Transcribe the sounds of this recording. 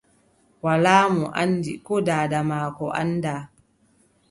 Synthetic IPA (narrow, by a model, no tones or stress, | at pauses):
walaːmɔʔandikɔdaːdamaːkɔʔa̰nda